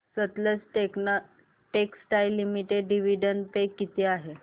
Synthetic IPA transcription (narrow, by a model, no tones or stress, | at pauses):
sət̪ləsʈekn | ʈeksʈajlːimiʈeɖɖiʋiɖəɳɖpekːit̪eaɦe